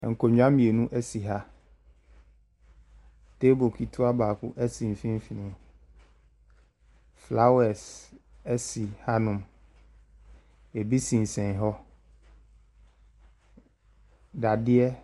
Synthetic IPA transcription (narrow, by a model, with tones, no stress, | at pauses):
ŋ̩˨kʰo˨ɲᶣ˨˦ã˦mĩ˨e˨nũ˦ʔɛ˦si˨ɦa˦ | te˦bo˨kʰi˨tʰʊ˦a˦baː˨kʊ˦ʔɛ˦sĩ˨m˨fĩ˦m˦fi˨nĩ˨m | fla˦wɛ˨s | ɛ˦si˨ha˦nʊ̃˨m | ɛ˨bi˦sĩ˨n˨sɛ̃˨ɦɔ˦ | da˨dɪ˦ɛ˦